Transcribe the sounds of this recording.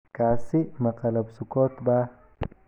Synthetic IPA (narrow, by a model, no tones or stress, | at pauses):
kaːsimaqalabsʊkot̪ba